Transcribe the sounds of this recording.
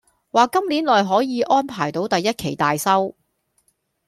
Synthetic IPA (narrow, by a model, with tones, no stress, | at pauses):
waː˨kɐ˥mliː˨˥nlɔː˨jɦɔː˨˥jiː˨˧ʔɔː˥npʰaː˨˩jt̪o˨˥wt̪ɐ˨jːɐ˥t̚kʰe˨˩jt̪aː˨jsɐ˥w